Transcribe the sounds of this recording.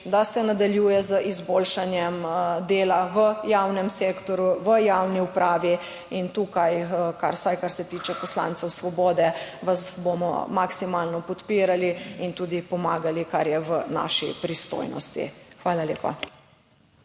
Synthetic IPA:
d̪asɛnad̪aljujɛzəʔizboːlʃanjɛmd̪eːlaʋəjaːwnɛmseːkt̪ɔɾuʋəjawniupɾaːʋi | int̪uːkajkaɾsajkaɾsɛt̪iːt͡ʃɛpɔsla̰nt̪sɛwsʋɔbɔːd̪ɛʋasbomɔ̰maksimaːlnɔpɔt̪piːɾaliint̪uːd̪ipɔmaːɡalikaɾjɛʋəna̰ːʃḭpɾist̪o̰ːjnɔ̰st̪ḭxʋaːlalḛːpa̰

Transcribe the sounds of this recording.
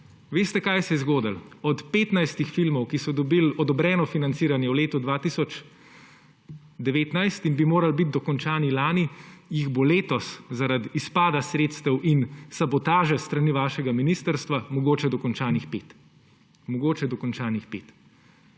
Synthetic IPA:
ʋeːst̪ɛkajɛsɛzɡoːd̪əlɔt̪peːt̪najst̪ixfilmɔwkisɔd̪ɔbilɔd̪ɔbɾɛːnɔfinantsiːɾanjɛwleːt̪ud̪ʋaːt̪isɔt͡ʃ | d̪ɛʋeːt̪najst̪inbimoːɾalbit̪̚d̪ɔkɔnt͡ʃaːnilaːnijiɣboleːt̪ɔszaɾad̪iispaːd̪asɾeːt̪st̪ɛwʔinsabɔt̪aːʒɛst̪ɾaniʋaːʃɛɡaminist̪əɾst̪ʋamɔɡoːt͡ʃɛd̪ɔkɔnt͡ʃaːnixpeːt̪ | mɔɡoːt͡ʃɛd̪ɔkɔnt͡ʃaːnixpḛːt̪

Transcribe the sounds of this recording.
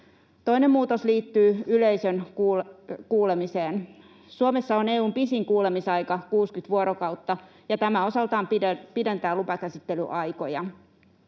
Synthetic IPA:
t̪o̞inemːuːt̪osliːt̪ːyːyleijsønː | kuːlemiseːn | suomesːɑoneːuːmpisiŋkuːle̞misɑjkɑkuːskyt̪ʋuoɾokɑuwt̪ːɑ | jɑt̪æmæo̞sɑlt̪ɑːmpipide̞nt̪æːlupɑkæsit̪ːely̰ʔɑjko̞jɑ

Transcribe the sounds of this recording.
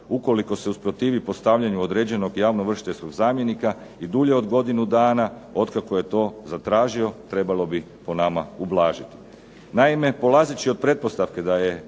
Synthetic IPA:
uko̞liko̞seuspɾo̞t̪iːʋipo̞st̪aʋʎaɲuod̪ɾed͡ʑe̞no̞ɡjaːʋnoʋr̩ʃit̪esko̞ɡzaːmje̞nika | id̪uʎe̞o̞d̪ɡo̞d̪inud̪aːnao̞d̪kakoje̞t̪o̞ːzat̪ɾaːʒio̞t̪ɾe̞balˠo̞bi | po̞namaublˠaːʒit̪i̥ | naime̞po̞lˠaːzit͡ɕio̞d̪̚pɾe̞t̪̚po̞st̪aʋke̞d̪aje̞

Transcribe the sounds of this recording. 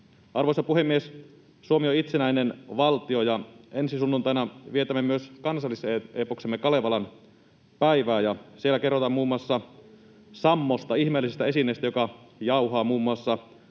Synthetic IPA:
ɑrʋosɑpuhemːies | suomioit̪senæinenʋɑlt̪iojɑensisunːunt̪ɑˑjnɑʋiet̪æmːemyøskɑnsɑlːiseeːpoksemːekɑleʋɑlɑn | pæiʋæːjɑsielːˑæke̞rːot̪ɑmmuːmːuɑsːɑ | sɑmːost̪ɑihmeːlisest̪æe̞sinːˑeːst̪æjokɑjɑuɦɑːmuːmːuɑsːɑ

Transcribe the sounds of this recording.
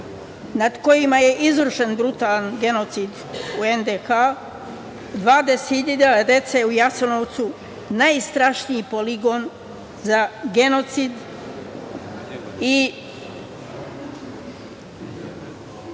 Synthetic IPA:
nad̪ko̞jimaje̞ʔizʋɾuʃenbɾut̪aːlanɡe̞no̞t̪sid̪ | uend̪exa | d̪ʋaːd̪esiʎeʎadad̪e̞t̪seujasonoʋt̪su | najst̪ɾaʃnijipo̞liɡo̞n | zaɡe̞no̞t̪sid̪ | i

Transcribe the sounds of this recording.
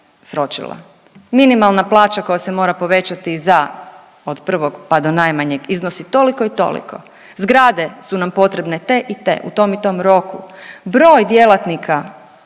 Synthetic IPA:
sɾo̞t͡ʃḭlˠa̰ | minimalˠnaplˠaːt͡ʃako̞jase̞mo̞ːɾapo̞ʋe̞t͡ɕat̪iza | od̪pr̩ʋo̞ɡpad̪onajmaɲeɡiznosit̪o̞liko̞it̪o̞̰lḭko̞̰ | zɡɾaːd̪e̞sunampo̞t̪ɾe̞bne̞t̪e̞ʔit̪ḛʔṵt̪o̞mit̪o̞mɾo̞kubɾo̞ːjd̪je̞lat̪nikʰa

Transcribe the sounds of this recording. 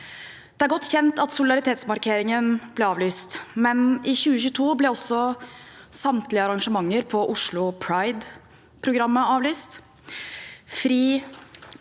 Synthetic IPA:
d̪̥ɛæɾɡɔt̪ːçɛnt̪ɑt̪sʊlɪd̪ɑɾɪt̪ʰeːt̪smɑɾkʰeːɾɪŋənblɛɑːʋlyːst̪mɛnɪçʉːəçʉːət̪ʰuːblɛɔsɔ | sɑmt̪lɪəɑɾɑŋʂəmɑŋːəɾpʰɔʔʊʂlʊpʰɾɑɪd̪ | pʰɾʊɡɾɑmːəɑːʋlyːst̪ | fɾiː

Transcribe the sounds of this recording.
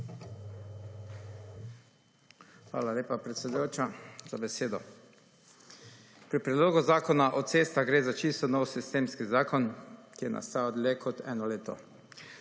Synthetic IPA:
xʋa̰ːlaleːpapɾɛt̪sɛd̪ujoːt͡ʃazabɛseːd̪ɔ | pɾipɾɛd̪loːɡuzaːkɔnaʔɔt̪seːst̪aɡɾeːzat͡ʃist̪ɔnɔwsist̪eːmskizaːkɔnkijɛnʔa̰st̪aːd̪lekʰɔt̪ɛ̰ːnɔleːt̪ɔ̰

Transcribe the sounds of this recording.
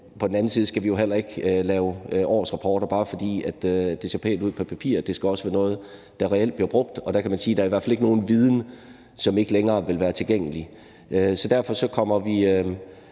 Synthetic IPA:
pʰɒ̽d̥n̩æn̩siðˠsɡ̥æʋijo̝ɦel̰ɐe̝ɡ̥ølɛːʊʔɒ̰ːsʁɑ̈pʰɒːɾ̥ɐb̥ɑ̈ːfɒ̽d̥ḭːæd̥d̥e̝se̝ɐpʰḛːld̥uð̰ˠpʰɒ̽pʰæpʰḭɐ̰d̥e̝sɡ̥æɒ̽səʋæɐnɔ̽ːð̞̩ˠ | d̥ɑ̈ʁɛel̰d̥̚b̥liɐb̥ʁɔ̽ɡ̥̚d̥ɒ̽d̥æ̈kʰæmænsiːd̥ɑ̈ɐiʋæɐ̰fæle̝ɡəno̝ːn̩ʋið̞ˠn̩ | sɒ̽me̝ɡ̥əleŋɐːʋe̝lʋæːɐt͡sʰe̝lɡ̥eŋ̰əli | ʔøsɒ̽d̥æɐfɒ̽sɒ̽kʰɒ̽m̰ɐʋi

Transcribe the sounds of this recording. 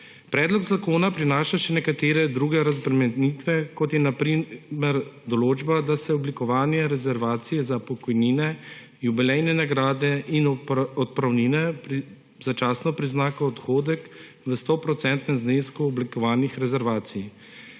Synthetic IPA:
pɾɛːd̪lɔɡzakoːnapɾinaːʃaʃɛnɛkat̪eːɾɛd̪ɾuːɡɛɾazbɾɛmɛd̪nit̪ʋɛkɔt̪jɛnapɾimɛɾd̪ɔloːd͡ʒbad̪asɛɔblikɔʋaːnjɛɾɛzɛɾʋaːt̪sijɛzapɔkɔjniːnɛ | jubilɛjnɛnaɡɾaːd̪ɛʔinɔt̪̚pɾawniːnɛpɾi | zat͡ʃaːsnɔpɾiznaːkɔɔt̪xoːd̪ɛk | ʋəst̪opɾɔt̪sɛnt̪nɛmzneːskuɔblikɔʋaːnixɾɛzɛɾʋaːt̪sij

